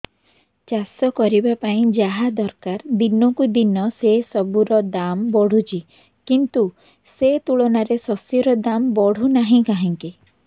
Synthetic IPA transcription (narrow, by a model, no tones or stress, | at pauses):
t͡ʃasɔkɔɾibapaĩd͡ʒaɦad̪ɔɾkaɾd̪inɔkud̪inɔsesɔbuɾɔd̪ambɔɽ̤ut͡ʃi | kint̪u | set̪uɭɔnaɾesɔsjɔɾɔd̪ambɔɽ̤unaɦĩkaɦiŋki